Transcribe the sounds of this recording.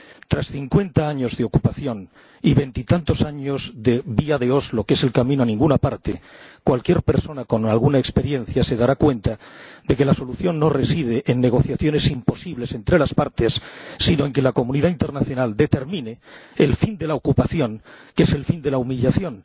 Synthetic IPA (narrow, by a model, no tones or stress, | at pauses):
t̪ɾasθiŋkwe̞nt̪aaɲo̞zðeo̞kupaθjo̞n | iβe̞nt̪it̪ant̪o̞saɲo̞zðe̞βiaðe̞o̞zlo̞ke̞se̞lkamĩnoanĩŋɡunapaɾt̪ekwalkje̞ɾpe̞ɾso̞nako̞nalɣ̞unae̞kspe̞ɾje̞nθjase̞ð̞aɾakwe̞nt̪ad̪e̞ke̞laso̞luθjo̞nːore̞sið̞eʔenːe̞ɣ̞o̞θjaθjo̞ne̞simpo̞siβle̞se̞nt̪ɾe̞laspaɾt̪e̞sːino̞eŋke̞lako̞mũniðaint̪e̞ɾnaθjo̞nald̪e̞t̪e̞ɾmĩne̞elfind̪e̞laokupaθjo̞ŋke̞se̞lfind̪e̞laumiʎaθjo̞n